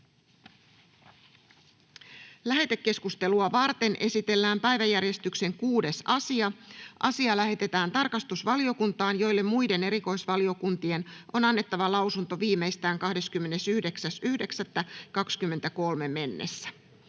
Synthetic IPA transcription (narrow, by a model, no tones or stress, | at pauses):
læɦe̞t̪e̞kːe̞skust̪e̞luɑʋɑrt̪e̞nʔe̞sit̪elːæːmpæjʋæjærje̞st̪ykse̞ŋkuːde̞sɑsiɑʔɑ̰siɑlæɦe̞t̪e̞t̪æːnt̪ɑrkɑst̪usʋɑlio̞kunt̪ɑːnjo̞jlːe̞mmujde̞ne̞ɾiko̞jsʋɑlio̞kunt̪ie̞no̞nɑnːe̞t̪ːɑʋɑlɑwsunt̪o̞ʋiːme̞jst̪æːŋkɑhde̞skymːe̞ne̞syhde̞ksæsyhde̞ksæt̪ːækɑkskymːe̞nt̪æko̞lme̞me̞nːḛsːæ̥